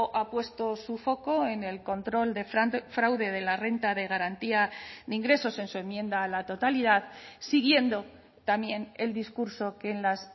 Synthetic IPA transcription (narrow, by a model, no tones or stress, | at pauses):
ʔapwe̞st̪o̞sufo̞ko̞e̞ne̞lko̞nt̪ɾo̞ld̪e̞ffɾawðe̞ð̞e̞lare̞nt̪aðe̞ɣ̞aɾant̪iaðeiŋɡɾe̞so̞se̞nsue̞mːjẽ̞nd̪aːlat̪o̞t̪aliðaðsiɣ̞je̞nd̪o̞ | t̪amje̞ne̞ld̪iskuɾso̞ke̞nlas